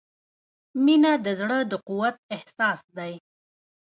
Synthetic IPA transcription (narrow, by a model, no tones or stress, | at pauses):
minad̪əzɽəd̪əquwat̪̚ɪhsɑsd̪aj